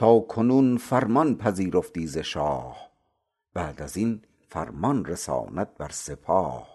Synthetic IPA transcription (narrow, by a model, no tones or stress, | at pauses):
t̪ʰɑːkʰonuːnfæɾmɒnpʰæziːɾoft̪iːzeʃɑːh | b̥æːd̪æzin | fæɾmɒnɾesɑ̰ːnæt̪̚bæɾsepʰɑːh